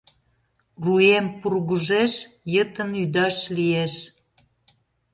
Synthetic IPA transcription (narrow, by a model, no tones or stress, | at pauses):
ruempurɣəʒeʃjət̪ənyd̪ɑʃlieʃ